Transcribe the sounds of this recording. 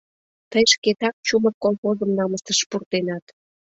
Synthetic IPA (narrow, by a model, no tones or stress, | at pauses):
t̪əjʃket̪ɑk̚t͡ɕuməkolˠxozəmnɑməst̪əʃpurt̪enɑt̪